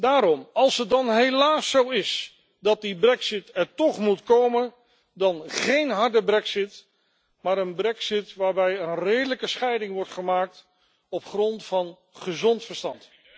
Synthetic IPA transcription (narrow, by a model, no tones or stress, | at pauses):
daːɾɔmɑlˠsɦət̚dɑnɦejlaːsːowɪs | dɑt̚dibrɛksɪtɛɹtɔχmutkowmən | dɑnχejnɦɑɹdəbrɛksɪt | maːɾənbrɛksɪtʋaːɹbɛjənrejdələkəsχɛjdɪŋʋɔɹtχəmaːk̚t | ɔpχrɔntfɑn | χəzɔntfəɹstɑnt